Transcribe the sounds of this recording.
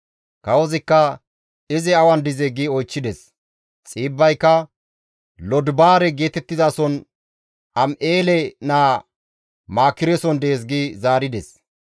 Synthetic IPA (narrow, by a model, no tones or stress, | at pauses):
kɐwɔzɪkːɐ | ɪzɪɐwɐnd̪ɪzɛɡiɔjt͡ʃːɪd̪ɛs | t͡sʼiːbːɐjkːɐ | lɔd̪baːɾɛɡe̞ːt̪ɛt̪ːɪzaːsɔn | ɐmʔeːlɛnaː | maːkːɪɾɛsɔnd̪eːs̬ɡizaːɾɪd̪ɛs